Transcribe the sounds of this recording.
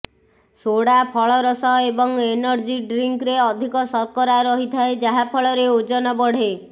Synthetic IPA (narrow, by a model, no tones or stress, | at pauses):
soɽapʰɔɭɔɾɔsɔebɔŋenɔɾd͡ʒiɖɾiŋkɾeɔd̪ʱikɔsɔɾkɔɾaɾɔɦit̪ʰaed͡ʒaɦapʰɔɭɔɾeod͡ʒɔnɔbɔɽ̤e